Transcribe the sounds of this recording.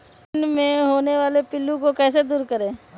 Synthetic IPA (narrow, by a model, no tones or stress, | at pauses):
nmẽɦoːneʋaːlepɪlːũkokɛːsed̪uːɾkɐɾẽː